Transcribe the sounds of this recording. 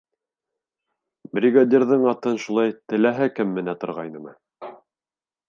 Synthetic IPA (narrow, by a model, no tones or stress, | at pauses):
bɾʲiɡad̪ʲerðɤɴɑt̪ɤnʃulˠɑjt̪ɘ̆læɦɘkɘmːɘ̆næt̪ŏɾʁɑ̰jnɤmɤ